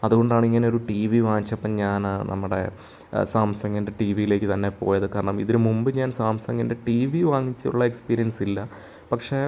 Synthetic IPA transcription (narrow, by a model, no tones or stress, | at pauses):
ɐðuɣo̞ɳɖaːɳiŋːɐneo̞ɾuʈiːʋiʋaːŋit͡ɕːɐpːɐmɲaːnnʔɐ̰mːuɽe̞̰ | saːmsɐŋːɡɐndeʈiːʋijile̞ːkːɨt̪ɐnːe̞po̞ːjɐðɨkːɐːɾɐɳɐmiðiɾumumbɨɲaːnsaːmsɐŋɡɐnde̞ʈiːʋiʋaːŋːit͡ɕːɐṵɭːɐe̞kspiːɾijɐnsilːɐ | pɐkʂe